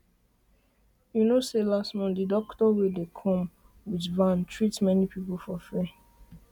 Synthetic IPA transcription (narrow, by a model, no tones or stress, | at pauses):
junoselastmɔ̃ndidɔktɔwidekʰɔ̃m | witvãntʰɹitmɛnipipul̩fɔfɛ